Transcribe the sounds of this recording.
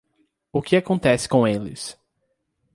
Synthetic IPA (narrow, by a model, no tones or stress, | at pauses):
ʊkɪakõnt̪ɛsɪ̥kõelɪ̰s